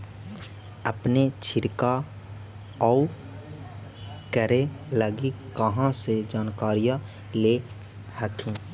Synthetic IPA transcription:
əpnet͡ʃʰɪɾka | ɔːu | kəɾeləɡikːəɦãsed͡ʒaːnkaːɾijã | le | həkʰẽː

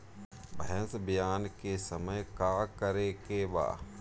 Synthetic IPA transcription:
bʱəɦəsbɪjaːnkesəməjkaːkəɾekeba̰ː

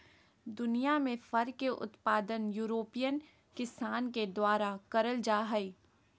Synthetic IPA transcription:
d̪ʊnijamẽfɐɾkeʔʊ̰t̪paːd̪ənjuːɾoːpijən | kɪsaːnked̪waːɾakɐɾəld͡ʒaːɦɐiː

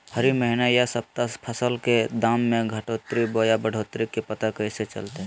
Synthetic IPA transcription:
hɐɾiməɦɪnajasɐb̚t̪apʰəsəlked̪aːmːẽɡʱɐʈoːt̪ɾiboːjabəɽ̤ʱoːt̪ɾikepɐt̪akəɪset͡ʃɐ̰lt̪eɦ

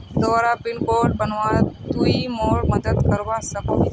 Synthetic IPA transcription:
d̪ɔːɾapɪɳkoɖbənʋad̪uimoɭməd̪əd̪kəɾʋasəko

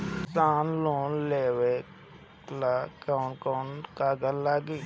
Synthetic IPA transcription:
saːnloːnleːwe | lakaːnkoːnkaːɡəllaːɡiː

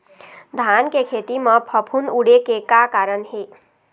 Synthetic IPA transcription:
d̪ʱankekʰeːt̪iməpʰəpʰunuɽekekakaɾəɳɦe

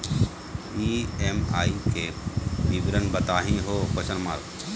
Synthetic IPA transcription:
iːemaːikeːbiːbɾənbət̪aːɦĩːɦoːkosənmaːɾ

